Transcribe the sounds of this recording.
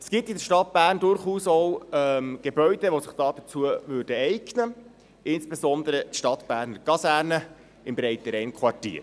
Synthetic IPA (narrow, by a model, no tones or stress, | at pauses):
sɡ̥ip̚t̪ɪdəɾʃtɑt̚b̥æːɾndʊɾχuːsɔwɛmɡ̥ebœʏɥd̥əʋosɪχd̥ɑːdət͡suəvʉːɾd̥əɛjɡnə | ʔɪnsb̥esɔnd̪əɾət̪ʃtɑt̪b̥æːɾnəɡ̥ɑsæːɾnə | ɪmbɾɛjt̪əɾɛɪnkʰwɑrtḭːɾ